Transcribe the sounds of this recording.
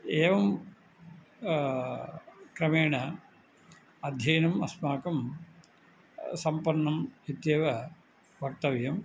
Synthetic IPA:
eːʋɐm | kɾɐmeːɳɐ | ɐd̪ʱjɐːnɐmɐ̰smaːkɐm | sɐmpɐnːɐmit̪jeːʋɐ | bʱɐk̚t̪ɐʋjɐm

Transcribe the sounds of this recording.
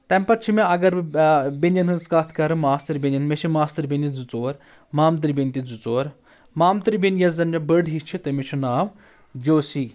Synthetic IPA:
t̪ɛmpɐt̪̚t͡ʃʰimeɐɡɐɾbenʲɐnɦɨnskat̪ʰkɐɾɨmaːst̪ɐɾbʲenʲɐnmeʃʰimaːst̪ɐɾbʲenʲid͡zut͡soːɾ | maːmt̪̬ɐɾʲbint̪id͡zut͡soːɾ | maːmt̪ɨɾʲbinjɐzzɐnd͡ʒɐbəɖɦit͡ʃʰit̪ɐmet͡ʃʰunaːʋ | d͡ʒoːsiː

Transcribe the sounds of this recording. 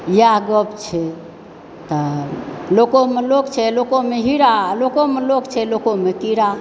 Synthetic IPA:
jaɡəpt͡ʃʰɛ | t̪ɔlokomelokt͡ʃʰɛlokomeɦiɾalokomelokt͡ʃʰɛlokomekiɾa

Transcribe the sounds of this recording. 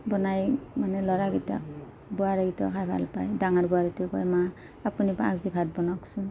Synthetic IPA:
bɔnajmanɛlɔɹaɡita̰k̚ | bɔaɾaɡitakʰajbʱa̰lpajdaŋaɹbɔaɹitikɔ̰jma | apunibaa̰kzibʱat̚bɔnaksu

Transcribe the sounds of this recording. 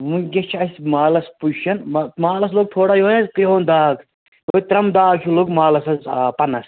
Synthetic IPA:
muɡʲɐt͡ʃʰɐsʲmaːlɐspuʃɐnmmaːlɐs̬loːɡ̚t̪ʰoːɽaːjoːnɐzkɾiɦoːnd̪aːɡ | ʋoit̪ɾɐmd̪aːkʰuloːɡmaːlɐsɐzpɐnɐs

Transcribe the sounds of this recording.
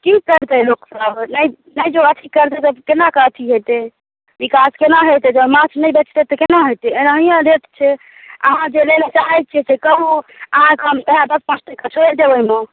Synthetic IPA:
kikəɾt̪ɛloksəbnəj | nəjd͡ʒoət̪ʰikəɾt̪ɛt̪əbkenakət̪ʰiɦojt̪e | bikaskenaɦojt̪ed͡ʒəbmãt͡ʃʰnəjbet͡ʃʰt̪et̪ɔkenaɦojt̪eenaɦijãɾeʈt͡ʃʰɛ | ə̰ɦãd͡ʒelelet͡ʃaɦɛt̪̚t͡ʃʰɛsekəbuəɦãkəmt̪əɦãb̪əspə̃sʰt̪ekət͡ʃʰoed̪ewəime

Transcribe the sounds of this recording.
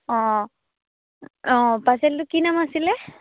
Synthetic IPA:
ɔ̃ | ɔ̃paseld̪ukinamasile

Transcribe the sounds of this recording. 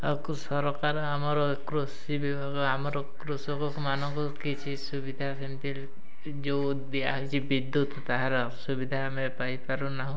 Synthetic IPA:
ɔkusɔɾɔkaɾɔamɔɾɔ | kɾusibibʱaɡɔamɔɾɔkɾusɔkɔkmanɔŋkukit͡ʃʰisubid̪ʱasemt̪il | d͡ʒo | d̪ijaɦɔjt͡ʃʰibid̪ːut̪t̪aɦaɾɔ | subid̪ʱamepajpaɾunaɦɔ̃

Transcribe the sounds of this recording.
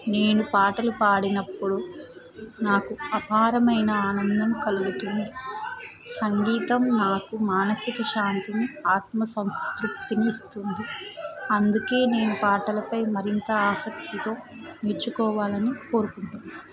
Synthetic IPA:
ne̞ːnupaːʈɐlupaːɽinɐpːuɽu | naːkuɐpʰaːɾɐmɐjnɐaːnɐnd̪ɐmkɐluɡut̪und̪i | sɐŋɡiːt̪ɐmnaːkumaːnɐsikɐʃaːnt̪iniaːt̪mɐsɐwsk̪ɾup̚t̪iniːst̪und̪iɐnd̪uke̞ːne̞ːnupaːʈɐlɐpɐjmɐɾint̪ɐaːsɐk̚t̪it̪o̞ː | neɾt͡ʃukɔːʋaːlɐniko̞ːɾukuɳʈun

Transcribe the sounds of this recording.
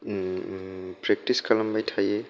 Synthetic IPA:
pɾɛk̚tiskalambajtʰaje

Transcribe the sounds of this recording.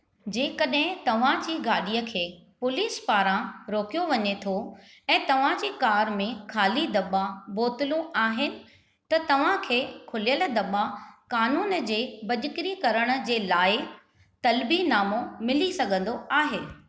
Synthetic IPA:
d͡ʑẽːkɐɗɦɪ̃t̪ɐʋ̤ãd͡ʑiːɡaːɗijəkʰeːpʊliːspaːɾãɾoːkijoʋɐɲet̪ʰo | ɛ̃ːt̪ɐʋ̤ãd͡ʑiːkaːɾmẽkʰaːlid̪ɐɓaboːt̪ɪlũaːɦɪnɪ̆ | t̪ɐt̪ɐʋ̤ãkʰeːkʰʊlijəld̪ɐɓakaːnuːnd͡ʑeːbɐʄʊkɪɾikɐɾəɽ̃ə̆d͡ʑeːlaːɪ | t̪ɐlbinaːmomɪlisɐɡʱə̃nd̪oʔaːɦeː

